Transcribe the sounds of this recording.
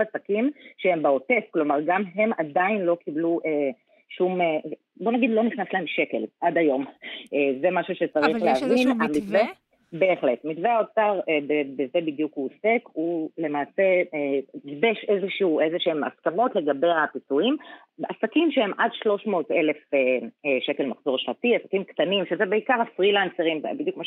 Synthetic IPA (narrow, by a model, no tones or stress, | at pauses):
asakimʃehembeo̞te̞fklo̞maʁɡamɦemadainlo̞kibluʔe | ʃume | bo̞naɡidlo̞niχnaslae̞mʃe̞ke̞lʔadajo̞mʔeze̞maʃuʃet͡saʁiχleavinamitve | be̞ːχle̞tmitveaot͡saʁebebeze̞bidjukuose̞kule̞maːse̞edbeʃezeʃuːʔezeʃeema̰skamo̞tle̞ɡabe̞japit͡suim | asakimʃehemʔadʃlo̞ʃmo̞ːte̞le̞feeʃe̞ke̞lmaχz̥o̞ʁʃlatiasḁkimkt̪animʃezebeikaʁafʁilanseʁimbidjukmaʃ